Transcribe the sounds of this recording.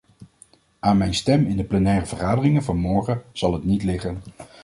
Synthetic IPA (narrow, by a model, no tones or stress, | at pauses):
ʔaːnmɛjnstɛmɪndəplɛnɛːrəvəɹχaːdərɪŋənvɑnmɔɹχəz̥ɑlˠɦətnitlɪχən